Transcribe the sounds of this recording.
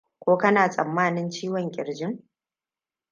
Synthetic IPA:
kʷoː˦kɐ˦naː˨sʼɐ˨mːaː˦nɪ˦nt͡ʃiː˦wɔ˨ŋkʲʼɪ˨ɽd͡ʒɪ˦ŋ

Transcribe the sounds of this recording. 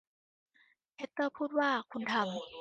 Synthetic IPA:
pʰe˦˥t̪ːɤː˥˩pʰuː˥˩t̪̚waː˥˩kʰu˧nt̪ʰa˧m

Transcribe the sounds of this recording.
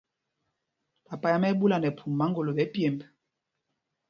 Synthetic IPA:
pa˨pa˨ja˦mɛ˦ɓu˦la˨nɛ˨pʰu˨mː˨a˨˦ŋɡo˨lo˨ɓɛ˨˦pje˨mb

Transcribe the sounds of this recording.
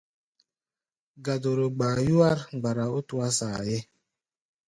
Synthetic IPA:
ɡa˨do˨ɾo˨ɡ͡baː˨ju˦a˦ɾɡ͡ba˨ɾa˨o˦tu˦a˦sa˨je˦

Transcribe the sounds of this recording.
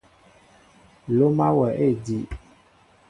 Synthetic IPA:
lo˦ma˦wɛ˨ʔe˦˨di˨

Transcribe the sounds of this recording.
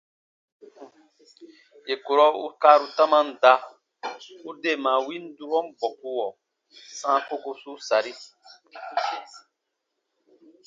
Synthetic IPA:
je˨ko˨ɾɔ˦ṵ˦kaː˦ɾu˦ta˦mã˦n̩˨˦da˧ | u˦de˦˨mã˨wi˦n˦du˦ɾɔ˦m˦bɔ˨ku˦wɔ˨ | sã˦ko˦ko˧su˦sa˨ɾi˦

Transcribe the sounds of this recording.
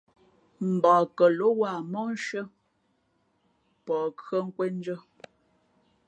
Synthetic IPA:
m̩˨baː˨kə˨lo˨˦wa˦˨mɔ˦n˦ʃə˦ | pɔː˨kɰə˦˨ŋ̩˦kwe˦n˦d͡ʒə˦

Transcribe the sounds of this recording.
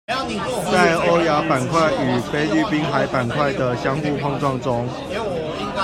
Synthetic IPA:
t͡sa˥˩ɪɔ˦ja˨˦pa˨˩nkʰwa˥˩ɪy˨˩fe˥˦ɪly˥˩pi˦nɦa˨˦ɪpa˨˩nkʰwa˥˩ɪd̪ə˨˩ɕjɑ˦ŋxu˥˧pʰɑ˥˧ŋt͡swɑ˥˨ŋʈ͡ʂʊ˦ŋ

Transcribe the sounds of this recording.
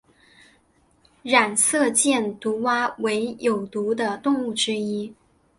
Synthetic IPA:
ɻa˨˩nsɤ˥˧t͡ɕjɛ˥˩nt̪u˧˥wa˥we˧˥ɪjo˨˩ʊt̪u˧˥d̪ə˧t̪ʊ˥˧ŋu˥˩ʈ͡ʂɻ̩˥i˥

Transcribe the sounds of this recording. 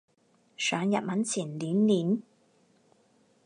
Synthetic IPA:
sœː˨˧ŋjɐ̰˨t̚mɐ˨˥nt͡sʰiː˨˩nliː˨˥nliː˨˥n

